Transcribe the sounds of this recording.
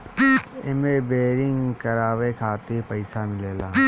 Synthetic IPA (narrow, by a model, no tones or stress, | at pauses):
ḛmebeːɾɪŋɡkɐɾaːʋekʰaːt̪ɪpɐɪsamɪleːlaː